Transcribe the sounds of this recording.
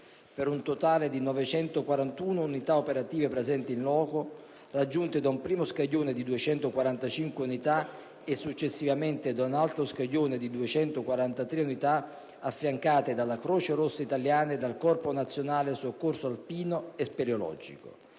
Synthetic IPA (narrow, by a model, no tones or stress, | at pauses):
peɾunt̪ot̪aːled̪inɔvet͡ʃɛnt̪okwaɾant̪uːnounit̪aopeɾat̪iːvepɾezɛnt̪iinlɔːko | rad͡ʒːunt̪ed̪aumpɾiːmoskaʎːoːned̪id̪uet͡ʃɛnt̪okwaɾant̪at͡ʃiŋkweunit̪a | esːut͡ʃːesːivament̪ed̪aunalt̪ɾoskaʎːoːned̪id̪uet͡ʃɛnt̪okwaɾant̪at̪ɾeunit̪a | afːjaŋkaːt̪ed̪alakɾoːt͡ʃeɾosːait̪aljaːned̪alkɔrponat̪sːjonaːlesokːorsoalpiːnoespeɾjolɔ̰d͡ʒḭko̰